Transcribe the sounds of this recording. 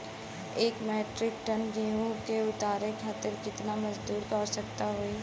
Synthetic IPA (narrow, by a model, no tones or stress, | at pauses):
eːkmɛːʈɾɪkʈənɡijũkeʊt̪aːɾekʰaːt̪ɪɾkɪt̪namɐd͡ʒd̪uːɾkɐɾsɐk̚t̪aɦoːi